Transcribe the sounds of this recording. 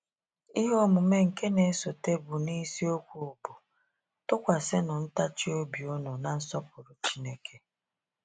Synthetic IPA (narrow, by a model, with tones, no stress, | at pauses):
i˦ɦo˦mʊ˨me˦ŋ̩˨ke˦ne˨˦so˨te˦bʊ˨ni˦si˦o˦kʷu˨ʊ˨bʊ˨ | tʊ˦kʷa˨sɪ˦nʊ˨n̩˦ta˦t͡ʃi˦o˦bi˨ʊ˦nʊ˨na˨n̩˦sɔ˦p̚ʊ˨ɾʊ˨t͡ʃi˦ne˦kʰe˨